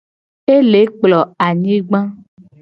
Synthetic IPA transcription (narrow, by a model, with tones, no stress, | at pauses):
e˦le˨˦k͡plɔ˨a˨ɲĩ˦ɡ͡bã˦